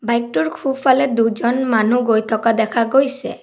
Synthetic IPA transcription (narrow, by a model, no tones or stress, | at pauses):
bajk̚ʈuɾkʰupʰaled̪ud͡ʒɔnmanuɡojt̪ʰɔkad̪ɛkʰaɡojse